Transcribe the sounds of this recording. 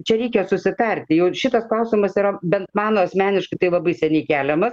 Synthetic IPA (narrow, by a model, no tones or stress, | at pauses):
t͡ʃʲɛɾʲɛɪkʲɛsʊsʲɪt̪ɐrʲt̪ʲɪjɛʊʃʲɪt̪ɐsklˠɐʊsʲimɐsiɾɐbʲɛnt̪mɑːnoːɐsʲmʲæːnʲɪʃkɐɪt̪ɐɪlˠɐbɐɪsʲɛnʲɛɪkʲæːlʲɛmɐs